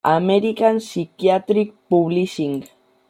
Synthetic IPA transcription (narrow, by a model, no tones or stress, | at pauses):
ameɾikansikiat̪ɾik̚puβlisiŋɡ